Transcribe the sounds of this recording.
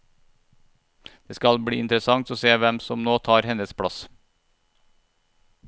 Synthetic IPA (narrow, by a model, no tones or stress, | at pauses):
d̪̥eːskɑlbɽiːɪnt̪ɾəsɑŋt̪oːseːʋɛmsɔmnoːt̪ʰɑːɾhɛnəspʰɽɑs